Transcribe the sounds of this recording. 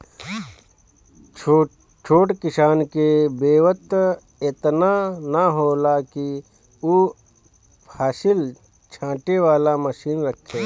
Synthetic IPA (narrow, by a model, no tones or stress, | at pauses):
t͡ʃʰoːʈkɪʃaːnkebeːʋət̪ | et̪nanaɦoːlaki | u | pʰaːʃɪl | t͡ʃʰãːʈeʋaːlaməʃiːnɾəkʰːeː